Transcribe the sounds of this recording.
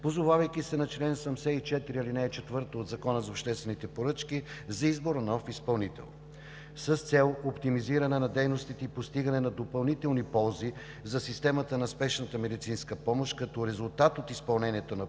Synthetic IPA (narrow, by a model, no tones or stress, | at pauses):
pozovavɐjk̟isɛnɐt͡ʃlɛnsɐmsɛit͡ʃɛt̪iɾiɐlinɛt͡ʃɛt̪vɤɾt̪oːd̪zɐkɔnəzɐopʃt̪ɛst̪vɛnit̪ɛpoɾɤt͡ʃkizɐizboɾənɔfispɐlˠnit̪ɛ̰lˠ | səst̪sɛlˠopt̪imiziɾɐnɛnɐd̪ɛjnost̪it̪ɛipost̪iɡənɛnɐd̪opɐlˠnit̪ɛlˠnipɔlˠzi | zɐsist̪ɛmət̪ənɐspɛʃnət̪əmɛd̪it̪sinskəpɔmoʃkɐt̪ɔɾɛzulˠt̪at̪ot̪ispɐlˠnɛniɛt̪onɐ